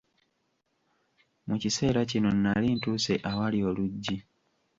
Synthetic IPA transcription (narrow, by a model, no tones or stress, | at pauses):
mucise̞ːɾacino̞nːalintuːse̞ʔawalioluɟːi